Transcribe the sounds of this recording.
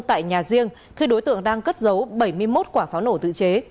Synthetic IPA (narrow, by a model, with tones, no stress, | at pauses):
t̪a̰ː˧˨jɲaː˨˩zi˧əŋ | xi˧ɗo˨˦jt̪ɨ̰˧˨əŋɗaː˧ŋkə˦˥t̚zə˨˦wɓə˧˩jmɨ˧əjmo˦˥t̚kwaː˧˩faː˨˦wno˧˩t̪ɨ̰˧˨t͡ɕe˨˦